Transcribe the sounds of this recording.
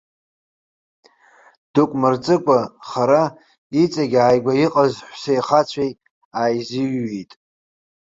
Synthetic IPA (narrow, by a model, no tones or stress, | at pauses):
d̥ukʷʼmɨrt͡sʼɨkʷʼaχaɾa | it͡sʼaɡʲaːjɡʷaiqʼazħʷsejχat͡ɕʷʰej | ajzɪjːejtʼ